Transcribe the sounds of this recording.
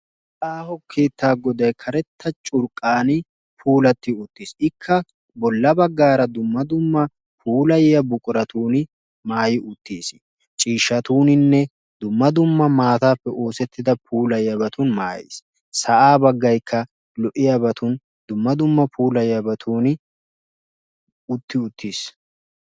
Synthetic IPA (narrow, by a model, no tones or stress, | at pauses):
ʔaːhɔkʰːeːt̪ːaːɡɔd̪ɐjkʰɐɾɛt̪ʰːɐt͡ʃʼʊɾkʼaːnɪ | pʰuːlɐt̪ːɪʊt̪ːisɪkʰːɐ | bɔlːɐbɐɡːaːɾɐd̪ʊmːɐd̪ʊmːɐ | pʰuːlɐjɪjɐbʊkʼʊɾɐt̪uːnɪ | maːjɪʔʊt̪ːiːs | t͡ʃʼiːʃːɐt̪uːnɪnːɛ | d̪ʊmːɐd̪ʊmːɐmaːt̪aːpːɛʔoːsɛt̪ːɪd̪ɐpʰuːlɐjɪɐbɐt̪ʰʊnmaːjḛːs | sɐʔaːbɐɡːɐjkʰːɐ | lɔʔɪjɐbɐt̪ʰʊn | d̪ʊmːɐd̪ʊmːɐpʰuːlɐjjɐbɐt̪ʰuːnɪ | ʊt̪ːɪʊt̪ʰːiːs